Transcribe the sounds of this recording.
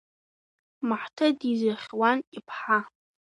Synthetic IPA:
maħtʰadizaχʲwanipʰħa

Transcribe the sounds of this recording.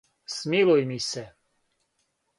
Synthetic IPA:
smilujmisɛ

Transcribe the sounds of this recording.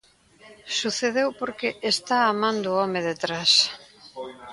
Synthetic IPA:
suθeðewpoɾkeʔest̪aːmãnd̪ʊɔmeðet̪ɾas

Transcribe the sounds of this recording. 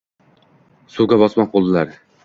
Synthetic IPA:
suɡʲabɒsmɒq̚bolˠd̪ɪlaɾ

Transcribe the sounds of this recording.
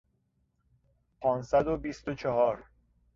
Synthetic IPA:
pʰɒːnsæd̪obist̪ot͡ʃʰehɒːɾ

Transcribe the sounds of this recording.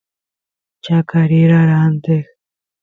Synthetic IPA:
t͡ʃakaɾiɾaɾant̪ex

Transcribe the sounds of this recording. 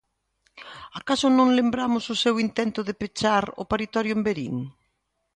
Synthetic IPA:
akasʊnõŋlembɾamʊsʊsewint̪ɛnt̪ʊðepet͡ʃaɾʊ̰paɾit̪ɔɾjʊembeɾḭŋ

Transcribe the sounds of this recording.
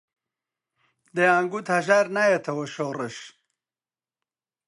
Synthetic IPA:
d̪ɐjaːŋɡut̪hɐʒaːɾnaːjɐt̪ʰɐwɐʃoːrɨʃ

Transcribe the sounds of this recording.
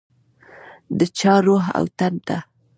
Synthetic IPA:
d̪ət͡ʃɑɾoɦa̰wt̪ant̪a

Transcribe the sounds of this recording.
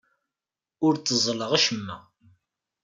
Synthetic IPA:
ʊɾt͡s̪ːəzˤləʁæʃəmːæ̰

